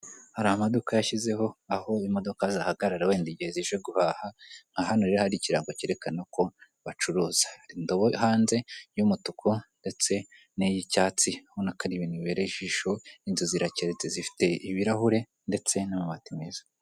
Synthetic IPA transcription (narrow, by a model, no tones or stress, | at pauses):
haɾamadukajaʃize̞ho̞aho̞imo̞do̞kazahaɡaɾaɾawe̞ːndiɟiheziʒweɡuhaːhaŋ̥hahanoɾeɾehaɾiciɾaːŋɡociɾe̞kanako̞ | βat͡ʃuɾuːz̥ḁɾindo̞βoɦaːnze̞jumutukʰunde̞t͡se̞ | nejicaːt͡siahonakaɾiβiniβeɾeiʒiʃo̞inzuziɾaceɾezezifi̥te̞iβiɾahuɾe̞ | nde̞t͡se̞namumatemezḁ